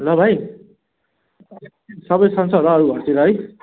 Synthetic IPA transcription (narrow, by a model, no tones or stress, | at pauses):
lʌbʱaj | sʌbʌjsʌnsʌɾʌːɾuɡʱʌrtiɾʌɦʌj